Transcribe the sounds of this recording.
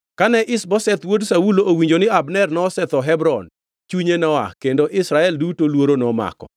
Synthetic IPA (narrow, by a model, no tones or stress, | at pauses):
kanɛʔɪsbɔsɛt̪wodsawuloʔowiɲd͡ʒonɪabnɛrnɔːsɛt̪ɔɦɛbɾɔn | t͡ʃuɲenɔa̰kendoʔɪsɾaɛldutolwoɾonɔma̰kɔ̰